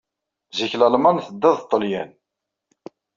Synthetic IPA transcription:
ziçlælmænθəd̪ːæðt̪ˤːəljæn

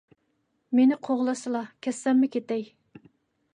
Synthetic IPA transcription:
menɪqʰoʁlˠɑsɨlˠɑkʲʰɛsːɛmːɪkʲet̪ɛj

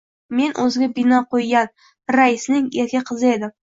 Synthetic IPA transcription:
me̞nʔɵzɡʲabɪnɒqʰojɡʲan | ɾaɪsnɪŋeɾkʲaqʰɨzɪe̞d̪ɪm

